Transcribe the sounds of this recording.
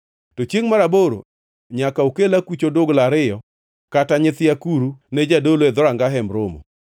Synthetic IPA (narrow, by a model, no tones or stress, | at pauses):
tɔt͡ʃjeŋmaɾaboɾo̰ | ɲakaokelakwut͡ʃodʊɡlaɾɪjɔ | kataɲɪt̪ɪjakuɾuned͡ʒadoloɛd̪ɔɾaŋɡaɦɛmɾomo̰